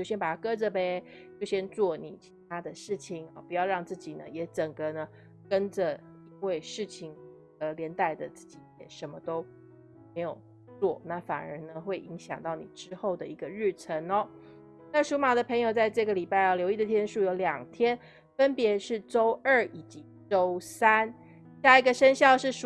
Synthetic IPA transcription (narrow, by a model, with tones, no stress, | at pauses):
t͡ɕjɕjɛ˥npa˨˩t̪ʰa˥˧kɤ˥ʈ͡ʂə˨pe˦ | t͡ɕjo˥˩ɕjɛ˥nt͡swɔ˥˩nḭ˨˩t͡ɕʰi̥˧˥t̪ʰa˥d̪ə˨ʂɻ̩˥˩t͡ɕʰi˨˩ŋɔ˨˩pu˧˥jɑ˥˧ʊɻɑ˥˧ŋt͡sɹ̩˥˩t͡ɕi˨˩nə̰˦jɛ˧˥ʈ͡ʂə˨˩ŋɡə˨nə˩ | kə˦˥nd͡ʒə˨ | i˥ŋwe˥˧ɪʂɻ̩˥˩t͡ɕʰi˩ŋ | ə˧˦ljɛ˧˥nt̪a˥˩ɪd̪ə˨t͡s̩˥˩t͡ɕi˨˩jɛ˨˩ʂə˧˥nmə˧t̪o˥ʊ | me˧˥ɪjo˨˩ʊ | t͡swɔ˥˨˩na˥˩fa̰˨˩nə̰˧˥nə˧xwe˥˩ɪi˧˥ŋɕjɑ̰˨˩ŋt̪ɑ˥˩ʊnḭ˨˩ʈ͡ʂɻ̩˦xo˥˩ʊd̪ə˩i˧˥ɡə˧ɻ̩˥˩ʈ͡ʂʰə˧˦˥nɔ˧˦ | na˥˩ʂu˧˥ma˨˩d̪ə˦pʰə˧˥ŋjo˨˩ʊt͡sa˥˧ɪʈ͡ʂɤ˥˩ɡə˩li˨˩pa˥˧ɪɔ˨˩ljo˧˥ʊi˥˩d̪ə˩t̪ʰjɛ˥nʂu˥˩jo˧˥ʊljɑ˨˩ŋt̪ʰjɛ˦n | fə˦npjɛ˧˥ʂɻ̩˥˩ʈ͡ʂo˥ʊə˥˩i˨˩t͡ɕi˧˥ | ʈ͡ʂo˦˥ʊsa˦˥n | ɕja˥˩i˧˥ɡə˧ʂə˦nɕjɑ˥˧ʊʂɻ̩˥˩ʂ